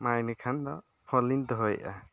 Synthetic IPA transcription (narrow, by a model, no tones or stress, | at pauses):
majnikʰand̪ɔ | pʰɔlind̪ɔɦɔjʔa̰